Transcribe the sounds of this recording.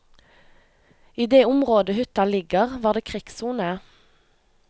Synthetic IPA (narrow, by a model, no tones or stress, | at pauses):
iːd̪eːʊmʁoːd̪əhʏt̪ɑlɪɡəʁʋɑːʁd̪eːkʰʁɪksuːnə